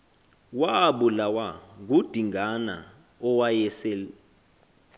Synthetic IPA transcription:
waɓulawaɡ̬ud̥ʱiŋana̰ | ɔwajɛsɛːl

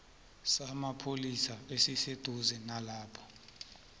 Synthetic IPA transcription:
samapʰolisaesised̥ʱuzɛnalaːpʰɔ̥

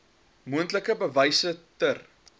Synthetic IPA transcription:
muəntləkəbəvɐjsətər

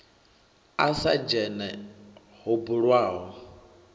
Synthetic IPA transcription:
asad͡ʒɛnɛ | hobuɺwaːɦɔ

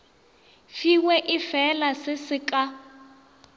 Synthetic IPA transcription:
fiwɛʔɪfɛlasɪsɪka

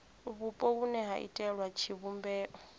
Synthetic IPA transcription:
βupʼɔunɛɦaʔḭtʼɛɺwat͡ʃʰiβumbɛːʔɔ

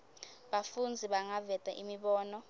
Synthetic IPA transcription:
ɓafund͡zʱiɓaŋavɛtʼaʔimiɓɔːnɔ

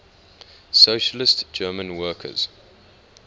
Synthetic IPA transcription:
soːʃəlɪstd͡ʒɜːmə̃nwɜːkʰə̰z̥

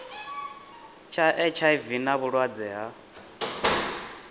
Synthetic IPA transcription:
t͡ʃʰaʔɛt͡ʃʰaivinaβuɺwad͡zɛːɦa

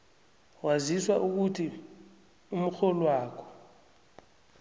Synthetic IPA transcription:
waziswaʔuk̬utʰi | um̩xɔlwaːkʰɔ̥

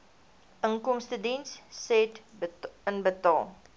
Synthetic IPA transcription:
ʔəŋkɔmstədinssɛt | ənbətɑːlˠ

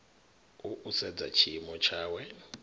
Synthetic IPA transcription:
uʔusɛd͡za̰t͡ʃʰimɔt͡ʃʰaːwɛ

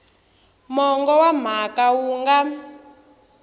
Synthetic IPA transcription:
mɔŋɡɔwam̤akawuːŋɡa

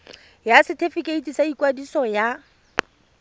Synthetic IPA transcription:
jasɪtʰefɪkʼeitʼisaikwadisɔja

